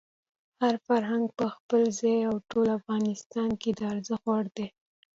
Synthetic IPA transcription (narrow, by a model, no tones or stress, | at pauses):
haɾfaɾɦaŋɡ̚pəxpəlzɑjawʈolafɣɑnɪst̪ɑnked̪əaɾzəxwaɽd̪e